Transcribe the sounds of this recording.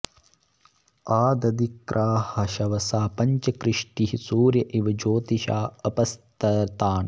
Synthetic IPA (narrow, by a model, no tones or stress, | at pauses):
aːd̪ɐd̪ikɾʔaːhɐʃɐʋɐsaːpɐɲt͡ʃɐkɾɪʂʈiɦisuːɾjɐʔiʋɐd͡ʒoːt̪iʃaːɐpɐst̪ɐt̪aːn